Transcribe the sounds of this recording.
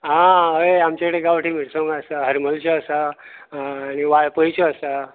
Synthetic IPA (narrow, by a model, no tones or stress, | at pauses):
ɦãɦəeamt͡ɕakəɽeɡaʋʈʰim̤iʈsõŋɡaəsaɦəɾməlt͡ɕeəsaː | ñiʋaɭpəjt͡ɕoəsa